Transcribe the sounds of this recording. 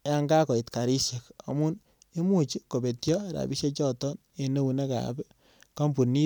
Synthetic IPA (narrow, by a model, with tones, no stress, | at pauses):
ja˦ŋɡa˦ko˨i˨tka˨ɾi˦ʃje˨ka̰˨mu˦n | e˦mu˦˨t͡ʃi˦ko˨be˨tjɔ˦ɾa̰˨bi˦ʃe˦t͡ʃɔ˦tɔ˦n | e˨ne˦wu˨ne˦ka̰˨bɛ˦ | ka˦mpu˨ni˦